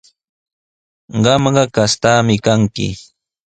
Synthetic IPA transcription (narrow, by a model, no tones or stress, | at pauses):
ɢɑmɢɑkast̪aːmɪkaŋkɪ̰